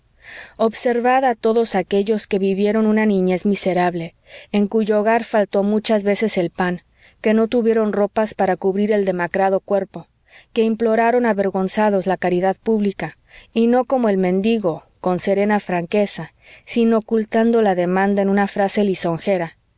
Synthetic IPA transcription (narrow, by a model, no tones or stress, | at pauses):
o̞βse̞ɾβaðaːt̪o̞ðo̞sake̞ʝo̞ske̞βiβje̞ɾo̞nũnanĩɲe̞zmise̞ɾaβle̞ː | ŋkuʝo̞ːɣaɾfalt̪o̞mut͡ʃazβe̞se̞se̞lpaŋ | ke̞no̞t̪uβjeɾo̞nro̞paspaɾakuβɾiɾe̞ld̪e̞makɾað̞o̞kwe̞ɾpo̞ | ke̞implo̞ɾaɾo̞naβe̞ɾɣo̞nsað̞o̞zlakaɾiðaðpuβlika | ino̞ko̞mo̞e̞lmẽ̞nd̪iɣo̞ | ko̞nse̞ɾe̞nafɾaŋke̞sa | sino̞kult̪and̪o̞laðe̞mãnd̪aenũnafɾase̞liso̞ŋxe̞ɾa